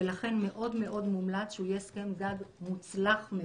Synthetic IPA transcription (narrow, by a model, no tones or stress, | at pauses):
elaχe̞nme̞ʔo̞d̪me̞ʔo̞d̪mumlat͡sʃeujeske̞mɡaɡmut͡slaχme